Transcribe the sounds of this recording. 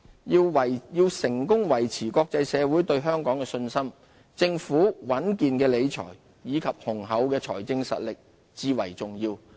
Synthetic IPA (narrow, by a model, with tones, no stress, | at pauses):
i˧wwɐ˨jjiː˧wsɪ˨˩ŋkʊ˥ŋwɐ˨˩jt͡sʰiː˨˩kɔː˧k̚t͡sɐ˧jsɛː˨˧wu˨˥jt̪ɵ˧ɥɦœː˥ŋkɔː˨˥ŋkɛː˧sɵ˧nsɐ˥m | t͡sɪ˧ŋfuː˨˥wɐ˨˥nkiː˧nkɛː˧le˨˧jt͡ʃʰɔ̰ː˨˩j | jiː˨˧kʰɐ˨p̚hʊ˨˩ŋɦɐ˨˥wkɛː˧t͡sʰɔ̰ː˨˩jt͡sɪ˧ŋsɐ̰˨t̚lɪ˨k̚ | t͡siː˧wɐ˨˩jt͡sʊ˨ŋjiː˧w